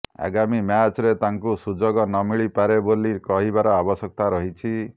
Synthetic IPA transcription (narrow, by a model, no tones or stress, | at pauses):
a̰ɡamimat͡ʃɔɾet̪aŋkusud͡ʒoɡɔnɔmiɭipaɾebolikɔɦibaɾɔabɔsɔk̚t̪aɾɔɦit͡ʃʰi